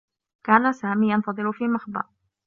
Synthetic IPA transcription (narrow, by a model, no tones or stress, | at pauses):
kaːnasaːmiːjɑnt̪ɑd̪ˤɨɾʊfiːmaxbɑ̰ɾ